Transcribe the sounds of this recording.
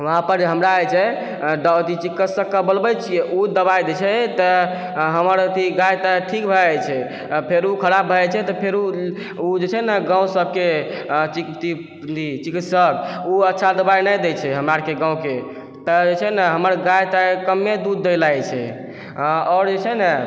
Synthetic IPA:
ʋəɦãpəɾɦəmɾaəjt͡ʃʰɛ | d̪t̪it͡ʃikːət̪səkːəbəlbət͡ʃʰieʔud̪əbajd̪et͡ʃʰɛt̪ɔ | ɦəməɾət̪iɡajt̪aʈʰikbʱɛt͡ʃʰɛ | pʰeɾukʰəɾabbʱət͡ʃʰɛt̪ɔpʰeɾu | ud͡ʒet͡ʃʰɛnəɡãw̃səb̚ke | t͡ʃikt̪i | t̪it͡ʃikit̪səkuətːʃʰad̪əbajnəjd̪ɛt͡ʃʰɛɦəmɾaɾkeɡãw̃ke | t̪ɔd͡ʒet͡ʃʰɛɦnəɦəməɾɡajt̪akəmːed̪ud̪ːəjlajt͡ʃʰɛ̰ | ɔːɾd͡ʒet͡ʃʰɛnɛ

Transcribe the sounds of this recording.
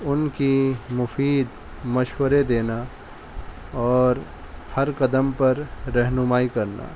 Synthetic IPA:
ʊnkimʊfiːd̪ | mɐʃwəɾed̪eːna | ɔːɾ | hɐɾkɐd̪əmpɐɾːɛɦnʊmaːikɐɾna̰ː

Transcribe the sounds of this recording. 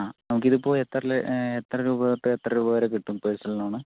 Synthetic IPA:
aːnɐmukːiðɨipːo̞ːɭet̪ːrɐleet̪ːrɐɾuːbɐɣɐt̪ːeet̪ːrɐɾuːbɐʋɐɾekiʈːumpeːsɐlnːaːɳɨ

